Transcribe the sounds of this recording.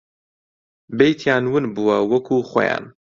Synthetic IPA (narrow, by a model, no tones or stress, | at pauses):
bejt̪ʰjaːnwɨnbuwɐwɐkʰuːχʷo̰ja̰ːn